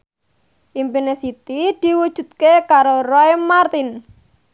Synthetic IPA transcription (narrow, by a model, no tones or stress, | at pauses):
ʔimpinesit̪id̪̥i̤wud̥ʒ̥ṳt̪̚kekaɾorɔjmart̪in